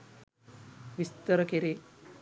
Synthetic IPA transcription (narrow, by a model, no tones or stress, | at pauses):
ʋist̪ɐɾɐkeɾi